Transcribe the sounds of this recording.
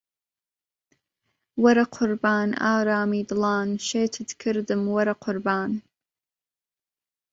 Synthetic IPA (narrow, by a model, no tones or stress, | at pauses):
wɐɾɐqʰʊɾbaːna̰ːɾaːmiːdɨlɑːnʃeːtʰɨdkʰɨɾdɨmwɐɾɐqʰʊɾbaːn